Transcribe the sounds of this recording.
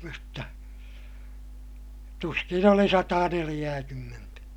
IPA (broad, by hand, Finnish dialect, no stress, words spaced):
mutːɑ tuskin oli sɑtɑːnelij̆æːkymːentæ